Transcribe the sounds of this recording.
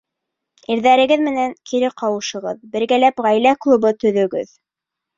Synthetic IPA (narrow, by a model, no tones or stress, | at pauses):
iɾðæɾɘ̆ɡɘðmɘ̆næŋkʰiɾɘqɑwɤ̆ʃɤ̆ʁɤðbɘ̆ɾɡælæpʁæjlæklˠubɤt̪ɵ̆ðɵ̆ɡɘ̰ð